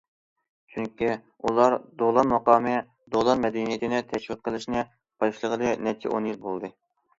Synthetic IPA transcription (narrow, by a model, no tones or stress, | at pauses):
t͡ʃʰyŋkʲi | ulˠɑɾd̪olˠɑnmɑqɑːmɨ | d̪olˠɑɾmɛd̪ɛnijet̪ʰɪnɛt̪ʰɛʃwɨt̪̚qʰəlˠɨʃnɨ | b̥ɑʃlˠəʁəlˠɨnɛt͡ʃʰḭʔonjilbolˠd̪ɨ